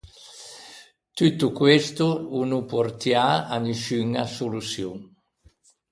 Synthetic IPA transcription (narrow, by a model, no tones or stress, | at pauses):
t̪yt̪ukwest̪uunupoɾt̪jaaniʃyŋasolusjoŋ